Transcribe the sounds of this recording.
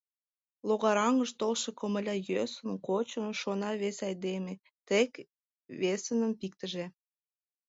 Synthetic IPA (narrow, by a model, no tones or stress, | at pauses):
loɣɑɾɑŋəʃt̪olʃekoməlʲɑjøsənkot͡ɕənʃonɑβesɑjd̪eme | t̪ek | βesənəmpik̚t̪əʒe